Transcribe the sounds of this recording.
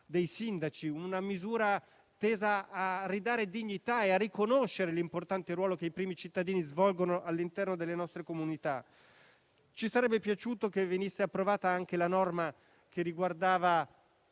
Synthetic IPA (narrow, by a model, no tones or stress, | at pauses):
d̪ejsind̪at͡ʃiunamizuːɾa | t̪eːzaːrid̪aːɾed̪iɲːit̪aearːikonoʃːeɾelimport̪ant̪eɾwɔːlokeipɾiːmit͡ʃit̪ːad̪iːnizvɔlɡonoʔalːint̪ɛrnod̪elːenɔst̪ɾekomunit̪a | t͡ʃisaɾɛbːepjat͡ʃuːt̪okevenisːeapːɾovaːt̪aaŋk̟elanɔrma | kerːiɡward̪aːva